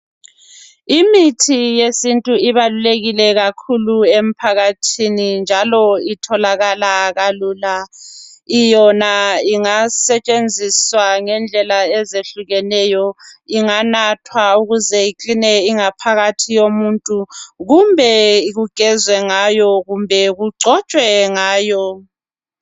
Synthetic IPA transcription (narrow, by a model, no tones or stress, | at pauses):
imitʰijesintʼuiβaluleɣilɛɣakʰuluem̩pʰaɣatʰinind͡ʒʱalɔitʰɔlaɣalaɣaluːla | ijɔnaiŋasɛt͡ʃʼend͡zʱiswaŋɛnd͡ɮʱɛlaɛzeɬuɣɛnɛjɔiŋanatʰwauɣuzɛikʼinɛiŋapʰaɣatʰijomuntʼuɣumbʱɛiɣuɡ̥ʱɛzwɛŋajɔɣumbʱɛɣuɡ͡ǀʱɔt͡ʃʼwɛŋaːjɔ